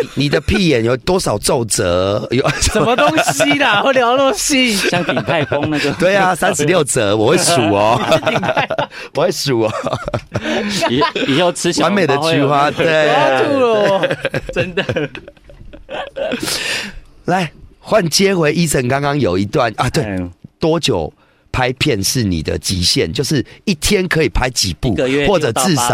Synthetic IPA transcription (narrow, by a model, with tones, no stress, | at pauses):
ni˨˩d̪ə˦pʰi˥˨jɛ˨˦njo˨˩t̪wɔ˦˥sɑ˨˩ʊt͡so˥˨ʊt͡sə̰˨˦jə˨mə˧t̪ɔ˦ŋɕi˧˦na˨we˥˩lja˨˧ʊno˥˩˨ɕi˦ɕja˥ŋi˨t̪ʰa˥˧ɪkwa˦ŋə˨˧t̪we˥˩ɪa˨sa˦nʂ̩˧ljo˥˨ʊt͡sə˨˦wɔ˨hwe˥˩su˨˩ɔ˦ | wɔ˨we˥˩ɪsu˨˩ɔ˨˦˨ | jo˥˨˩ʊt͡s̩ʰ˦ɕwwa˨˦nmẽ˨˩ɪd̪ə˨t͡ɕy˥˧xwa˦t̪we˥˨˩t̪ʰu˥ə˨˦ | la˨˦ɪxwa˥˨nt͡ɕjɛ˦xwe˧˥ɪʔi˦sʰə˧˦ŋkɑ˦ŋkɑ˦ŋjo˨˩ʊi˦t̪wa˥˨nʔa˨t̪we˥˩ɪt̪wɔ˦t͡ɕjo̰˨˩ʊ | pʰa˦ɪpʰjɛ˥˨nʂɻ̩˥˨˩nḭ˨˩d̪ə̰˩t͡ɕḭ˨˦ɕjɛ˥˨nt͡ɕjo˥˧ʊʂɻ̩˥˨i˥˩t̪ʰjɛ˦nkʰɤ˧˦i˨˩pʰa˦ɪt͡ɕḭ˨˩pu˥˨xwɔ˥˨ʈ͡ʂə˨˩t͡sɹ̩˥˨sa˨